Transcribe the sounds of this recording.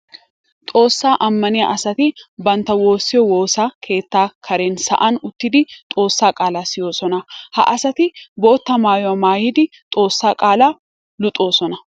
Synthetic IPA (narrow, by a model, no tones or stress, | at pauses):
t̪ʼo̞ːsːaːʔɐmːɐnɪɐʔɐsɐt̪ɪbɐnt̪ɐwo̞ːsːɪjɔwo̞ːsaːkʰe̞ːt̪ːaːkʰɐɾeːnsɐ̰ʔɐnʊt̪ːɪd̪ɪt̪ʼo̞ːsːaːkʼaːlaːsɪjoːsɔnɐhɐ̰ʔɐsɐt̪ɪbo̞ːt̪ːɐmaːjʊɐmaːjɪd̪ɪ | t̪ʼo̞ːsːaːkʼaːlaː | lʊt̪ʼo̞ːsɔnɐ